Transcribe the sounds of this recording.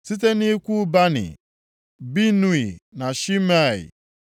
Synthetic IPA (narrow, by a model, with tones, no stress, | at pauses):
si˦t̬e˦ni˦kʷu˦ba˦nɪ̰˨ | bi˦nu˦˨i˨na˨ʃi˦ma˦˨ḭ˨